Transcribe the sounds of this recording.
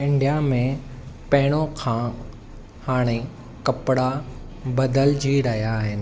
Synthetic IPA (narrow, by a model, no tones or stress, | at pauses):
ɪ̃ɳɖijamẽ | pɐɦɪɽ̃õkʰã | haːɽ̃e | kɐpɽa | bɐd̪əld͡ʑʱiːɾɐɦijaɦɪnɪ̆